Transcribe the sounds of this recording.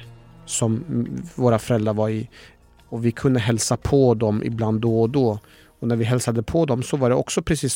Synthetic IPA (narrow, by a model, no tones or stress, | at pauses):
sɔmvoːɾafœɾɛld̪ɾaɾvaɾɪ | ɔvɪkʰɵnd̪əɦɛlsapʰɔd̪ɔmʔɪ̰bland̪ːɔːd̪ɔ | ɔnæɾvɪɦɛlsad̪əpʰɔd̪ɔmsɔvaɖɛɔ̰ksɔpʰɾɛsiːs